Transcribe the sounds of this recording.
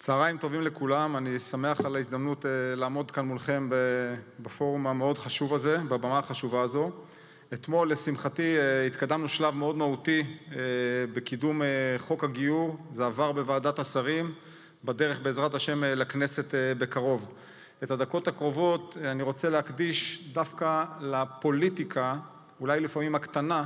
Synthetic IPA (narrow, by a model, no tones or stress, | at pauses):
t͡saːʁaimt̪o̞vimle̞kulamanisame̞aχalaizd̪amnutelaːmo̞d̪kanmulχe̞mbebafo̞ʁumameo̞dχaʃuvaze̞babamaaχaʃuvaːzo̞ | et̪mo̞lesimχatiit̪kadamnuʃlavmeo̞dmautiebekidumeχo̞kaɡijuʁzeavaʁbe̞vaːdatasaʁim | badeʁeχbe̞ːzʁathaʃe̞mlakne̞se̞tebe̞kaʁo̞v | ethad̪ako̞takʁo̞vo̞taniʁo̞t͡selehakdiʃdafkalapo̞litikʰa | ulajlifamimhakt̪ana